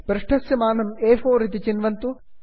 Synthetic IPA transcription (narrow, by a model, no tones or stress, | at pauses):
bɾɪʂʈʰɐsjɐmaːnɐmeːfoːɾit̪it͡ʃinʋɐnt̪u